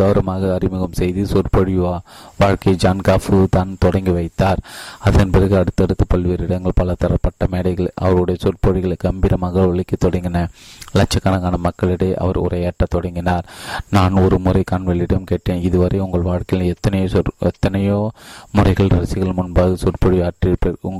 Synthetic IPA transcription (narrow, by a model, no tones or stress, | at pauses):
ɐʋɐɾɐmaːɣɐɐɾɪmɯɣɐmsɛjðɯsʊrpɐɽɪʋaːʋaːɻkɐɪd͡ʒaːnkaːfɯt̪aːnt̪ɔɽɐŋɡiʋɐɪt̪ːaːɾɐðɐnpɐðɐɣɯɐɽɯt̪ːɐɽɯt̪ːɯpɐɭʋiːɾɪɽɐŋɡɐɭpɐlɐt̪ɐɾɐpːɐʈːɐmeːɽɐɪɣɐɭʔɐ̰ʋɐɾɯɽɐjɐsʊrpɐɽɪɣɐɭkːɐmbɪɾɐmaːɣɐɔɭɪkːɐt̪ːɔɽɐŋɡɪnɐlɐt͡ʃːɐkːɐnɐɣaːnɐmɐkːɐɭɪɽɯʔɐ̰ʋɐɾʊ̰ɾɐjaʈːɐt̪ɔɽɐŋɡɪnaːɾnaːnɔɾɯmʊɾɐɪkaːɳʋɐɭːɪɽɐmkeːʈːeːnɪðɯʋɐɾɐɪʊŋɡɐɭʋaːɻkɐɪɪlɛt̪ːɐnɐjoːɛt̪ːɐnɐjoːmʊrɐɪɣɐɭɾɐɾɐsɪɣɐɭmʊnbaːɣɯsʊrpɐɽɪʋaːʈːɪpʊŋ